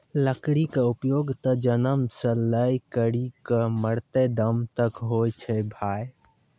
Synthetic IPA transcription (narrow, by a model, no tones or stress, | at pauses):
ləkɽikeupjoːɡt̪əd͡ʒənəmsə̃ləjkəɽikəməɽt̪ed̪əmt̪əkɦojt͡ʃʰɛbʱaːj